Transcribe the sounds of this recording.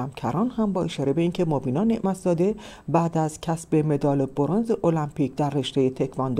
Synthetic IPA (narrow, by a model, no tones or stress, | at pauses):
æmcʰæɾɒːnhæmbɒːe̞ʃɒːɾe̞be̞iːncʰe̞mobiːnɒne̞ʔmæt̪ʰzɒːd̪e̞ | bæd̪æzcʲʰæsbe̞me̞d̪ɒːleboɾonzeʔolæmpʰiːcd̪æɾːeʃt̪ejet̪ʰe̞cʰvɒnd̪